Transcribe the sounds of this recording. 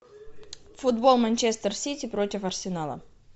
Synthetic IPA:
fʊd̪bolˠmɐnʲt͡ɕest̪ərsʲitʲɪpɾotʲɪfɐrsʲɪnalˠə̰

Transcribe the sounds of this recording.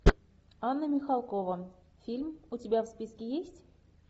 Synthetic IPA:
ɑnːəmʲixɑlˠkovə | fʲilʲmutʲibʲæfspʲiskʲejesʲtʲ

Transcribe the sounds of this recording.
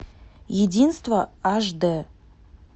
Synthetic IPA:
jɪd̪ʲinst̪vəɑʒd̪ə

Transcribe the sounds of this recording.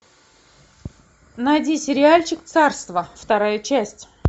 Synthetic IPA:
najdʲisʲɪɾʲɪalʲt͡ɕɪkt̪sarst̪vəft̪ɐɾajət͡ɕæsʲtʲ

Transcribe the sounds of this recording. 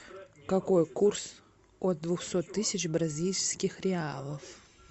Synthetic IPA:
kɐko̞jkurs | ot̪̚d̪ːvʊxsot̪ːɨsʲɪt͡ɕbɾɐzʲilʲskʲɪxɾʲɪalˠəf

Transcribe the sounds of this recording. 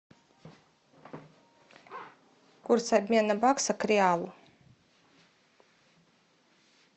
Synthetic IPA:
kuɾsab̪mʲiɛnabaksakɾiaːlˠu

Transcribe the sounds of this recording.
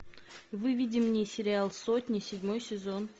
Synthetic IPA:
vɨvʲidʲɪmnʲɨjsʲɪɾʲɪalˠsot̪ʲnʲɪsʲɪdʲmo̞jsʲɪzon

